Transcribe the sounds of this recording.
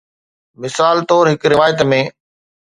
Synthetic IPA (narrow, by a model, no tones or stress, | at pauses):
mɪsaːlt̪ɔːɾɦɪkɾɪʋaːjət̪mẽː